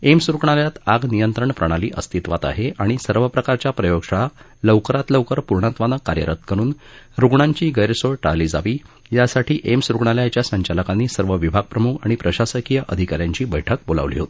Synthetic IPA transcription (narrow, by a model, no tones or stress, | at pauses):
emsɾukɳaljat̪aɡnijənt̪ɾəɳpɾəɽ̃aliːʔəst̪ʰit̪ʋat̪a̰ɦeaɽ̃isəɾʋəpɾəkaɾt͡ɕjapɾəjoɡʂaɭa | ləʋkəɾat̪ləwkəɾpuɾɳat̪ʋanəkːaɾjə̰ɾʔət̪̚kʰəɾ̃uːn | ɾuɡɳaɲt͡ɕiːɡəjɾsoɭʈa̰liːd͡za̰ʋiː | jasaʈʰiːʔemsɾukɳaljat͡ɕjasəɲt͡ɕaləkanːiːsəɾʋəʋibʱaɡ̚pɾəmukʰaɽ̃ipɾəɕasəkijəʔəd̪ʱikaɾjaɲt͡ɕiːbə̰jʈʰək̚bola̰ʋlḭɦot̪ii̥